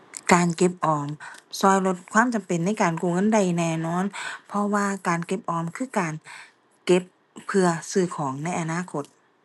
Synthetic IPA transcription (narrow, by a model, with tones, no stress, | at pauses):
kaː˨nke˧˥p̚ʔɔː˨˩msɔː˧˩jlo˧t̪̚kʰwaː˧˥˨mt͡ɕa˨mpe˨nːa˧˥˩jkaː˨˩nkuː˧˩ŋɤ˧˥˨nda˨˩jnɛː˧˨nɔː˧˥˨npʰɔ˧waː˧kaː˨˩nke˧p̚ʔɔː˨˩mkʰɯː˧˥˩kaː˨n | ke˧˥p̚ʰː | ɯ˧ɐsɯː˧˩kʰɔː˩˦ŋna˧˥˩jʔa˨˧˨naː˧˥˨kʰo˧t̪̚